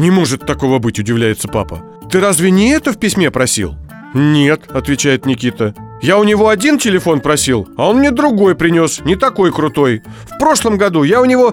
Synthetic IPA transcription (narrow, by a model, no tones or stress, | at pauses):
nʲɪmo̞ʐɨt̪ːɐko̞vəbɨtʲʊdʲɪvlʲæjɪt̪səpa̰pə̰ | t̪ɨɾazvʲɪnʲɪɛt̪əfpʲɪsʲmʲe̞pɾɐsʲḭlˠ | nʲe̞t̪ɐt̪vʲɪt͡ɕæjɪt̪nʲɪkʲit̪ə | jaʊnʲɪvo̞ɐdʲintʲɪlʲɪfo̞npɾɐsʲilˠɐo̞nmnʲed̪ɾʊɡo̞jpɾʲɪnʲo̞snʲɪt̪ɐko̞jkɾʊt̪o̞j | fpɾo̞ʂlˠəmɡɐd̪ujaʊnʲɪvo̞